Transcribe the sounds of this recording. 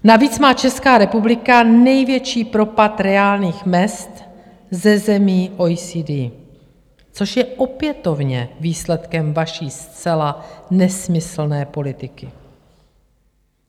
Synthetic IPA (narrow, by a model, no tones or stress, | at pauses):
naviːt͡smaːt͡ʃɛskaːɾɛpublɪkanɛjvjɛt͡ʃiːpɾo̞pat̪ɾɛaːlɲiːxmɛst̪ | zɛzɛmiːʔo̞jsiːdi | t͡so̞ʃjɛʔo̞pjɛt̪o̞vɲɛviːslɛt̪kɛmvaʃiːst͡sɛlanɛsmɪsl̩nɛːpo̞lɪt̪ɪkɪ